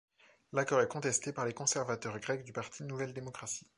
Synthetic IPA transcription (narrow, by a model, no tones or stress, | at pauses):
lakɔʁɛkɔ̃t̪ɛst̪epaʁlekɔ̃sɛʁvat̪œʁɡʁɛkd̪ypaʁt̪ʰinuvɛld̪emɔkχasi̥